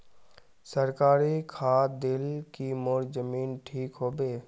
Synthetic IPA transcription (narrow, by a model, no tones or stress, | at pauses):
səɾkaːɾikʰaːd̪ɪlkimoːɾzəmiːnʈʰiːkɦoːbeː